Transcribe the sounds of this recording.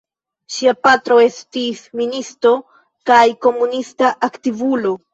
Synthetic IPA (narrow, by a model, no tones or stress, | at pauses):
ʃiapatɾo̞e̞stisministɾo̞ | kajko̞munistaʔaktivulo̞